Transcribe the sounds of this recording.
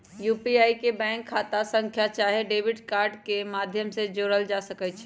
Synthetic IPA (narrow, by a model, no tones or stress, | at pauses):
jupiaikebɛ̃ŋkʰːat̪asə̃ŋkʰjat͡ʃaɦeɖebiɖkaɾɖkemad̪ʱjəmsed͡ʒoɾəld͡ʒasəkɛt͡ʃʰɛ